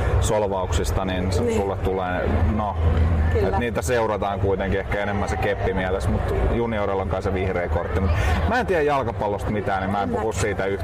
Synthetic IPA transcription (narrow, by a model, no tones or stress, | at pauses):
solʋɑuksist̪ɑninssulːet̪t̪ulḛːno | et̪niːt̪æseurɑt̪ɑːŋkuit̪eŋkiehkæenemːænsekepːimiælesmut̪juniorelːoŋkɑnseʋihreːkort̪ːimut̪mæːent̪iæjɑlkɑpɑlːost̪mit̪æːnimmæːempuhussiːt̪æy